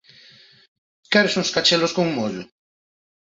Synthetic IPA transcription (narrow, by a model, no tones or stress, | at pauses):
kɛɾesũŋskat͡ʃeloskoŋmoʎʊ